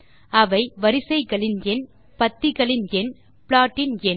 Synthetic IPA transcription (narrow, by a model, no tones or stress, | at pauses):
ɐʋɐɪʋɐɾɪsɐɪɣɐɭɪnɛn | pɐt̪ːɪɣɐɭɪnɛn | pɭaːʈːɪnɛn